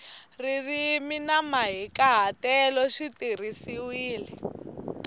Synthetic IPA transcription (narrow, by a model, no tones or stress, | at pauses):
ririminamaɦikaɦatɛlɔʃitir̤isiwiːlɛ